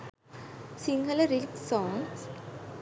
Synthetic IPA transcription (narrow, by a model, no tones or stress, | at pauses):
siŋɡələɾiksɔ̃ːŋs